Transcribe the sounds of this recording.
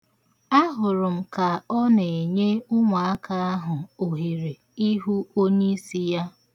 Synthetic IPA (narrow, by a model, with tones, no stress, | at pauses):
a˦ɦʊ˨ɾʊ˨m̩˨ka˨ɔ˦ne˨e˨ɲe˦ʊ˦ŋʷa˨a˦ka˦a˦ɦʊ˨o˨ɦi˨ɾe˨ | i˦ɦu˦o˦ɲe˦i˦si˦ja˦